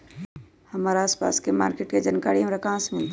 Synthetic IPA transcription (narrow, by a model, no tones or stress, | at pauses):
hɐmaːɾaaːspa̰ːskema̰ːɾkeʈked͡ʒankaːɽiɦɐmɾakãːsmɪlt̪